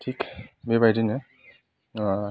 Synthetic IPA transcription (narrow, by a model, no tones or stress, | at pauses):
tʰikbebajdine